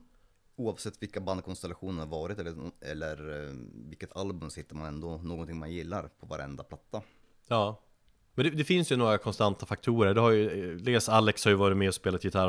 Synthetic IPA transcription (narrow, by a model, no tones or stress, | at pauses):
uːavsɛt̪ːvɪlkaband̪̚kʰɔnst̪ɛlaɧuːnəɾhaɾvɑːɾɪt̪ɛlːɛ̰lːəɾvɪlkːət̪ʰalbɵmsɪt̪ːəɾmanɛnd̪ɔnoːɡɔnt̪ʰɪŋːmanjɪlːaɾpʰɔva̰ɾʔɛ̰nd̪apʰlat̪ːa | jɑː | mɛnd̪ɛd̪ɛfɪnsjɵnoːɡɾakʰɔnst̪ant̪afak̚t̪ʰuːɾəɖɛhajɵleːsalːɛkshaɾjʏvɑːɾɪt̪mɛɔspeːlat̪jɪt̪ʰaɾ